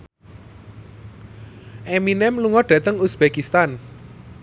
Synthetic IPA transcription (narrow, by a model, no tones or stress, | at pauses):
ʔeminɛmluŋɔɖ̥ä̤t̪əŋusb̥ekist̪an